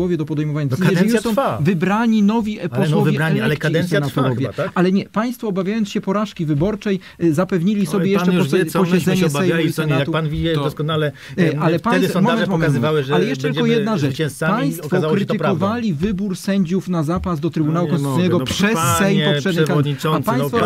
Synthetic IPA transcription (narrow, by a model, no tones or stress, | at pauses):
wɔvʲjɛd̪ɔpɔd̪ɛjmɔvaɲaɛzɛsɔ̃wfavɨbɾaɲinɔvʲiɛpɔsɔvaɛkd̪ɛsɛjnat̪uɾɔvʲjɛalɛɲɛpaj̃st̪fɔːbavʲjajɔnsɕɛpɔɾaʂkʲivɘbɔɾt͡ʂɛj | zapɛvɲilʲisɔbʲjɛjɛʂt͡ʂɛpɔɕɛd̪zɛɲɛsɛjsɛnaauanvʲiɛd̪ɔskɔnalɛ | alɛpajsmɔmɛnmɔmɛvawɛalɛjɛʂɛt̪lkɔjjɛd̪naʐɛt͡ʂɛ̃sapaj̪̃t̪ɔkfɔazakɾɪt̪ɘkɔvalʲivɘbuɾsɛɲd͡ʑufnazapazd̪ɔt̪ɾɘbunawukɔnssijnɛɡɔpʂɛssɛjɔpʂɛbnkad̪apajsfɔ